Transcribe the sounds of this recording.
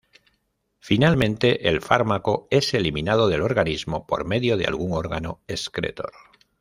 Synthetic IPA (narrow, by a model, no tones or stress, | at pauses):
finalmẽ̞nt̪e̞ʔelfaɾmako̞e̞se̞liminað̞o̞ðe̞lo̞ɾɣanizmo̞po̞̰ɾme̞ðjo̞ð̞ea̰lɣuŋo̞ɾɣa̰no̞e̞skɾe̞̰t̪o̞̰ɾ